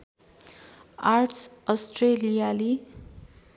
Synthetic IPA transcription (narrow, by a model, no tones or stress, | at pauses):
arʈʰsʌsʈrelijali